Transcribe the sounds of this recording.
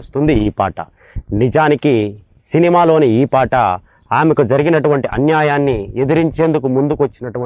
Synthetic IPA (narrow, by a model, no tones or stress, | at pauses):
st̪und̪iiːpa̰ːʈɐ̰ | nid͡ʒaːniki | sinimaːlo̞ːniiːpaːʈɐ | aːmekud͡ʒɐɾiɡinɐʈuʋɐɳʈiʔɐnjaːjaːnːied̪ɐɾiɲt͡ʃe̞ːnd̪ukumund̪ukʋɐt͡ʃːinɐʈuɐ